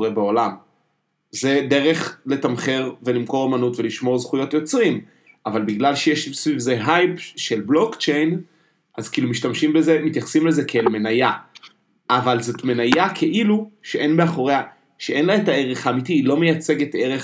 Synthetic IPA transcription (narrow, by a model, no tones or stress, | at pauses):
ʁebeolam | ze̞d̪e̞ʁe̞χle̞tamχe̞ʁvelimko̞ʁamanutve̞liʃmo̞ʁzχujo̞tjo̞t͡sʁim | avalbiɡlalʃejeʃsvivze̞ɦajpʃe̞lblo̞kt͡ʃe̞jn | ʔazkiilumiʃtamʃimbezemit̪jaχḁsimlezekelme̞naja | ʔavalzo̞tme̞najakʰe̞ʔiluʃeʔe̞nbe̞aχo̞ʁea | ʃeʔe̞nlaetae̞ʁeχamitilo̞mejat͡se̞ɡete̞ʁe